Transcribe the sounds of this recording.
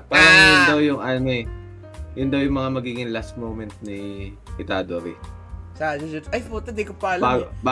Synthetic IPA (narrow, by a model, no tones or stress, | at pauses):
paɾajʊnd̪ɐwjʊŋʔɐnoɛ | jʊnd̪ɐwjʊŋmɐŋamɐɡiːɡɪŋlast̪̚mowmɛnt̪̚nɪ | ʔɪt̪ad̪oɾi | sad͡ʒd͡ʒɐjfot̪ɐd̪ɛkopalbaɡba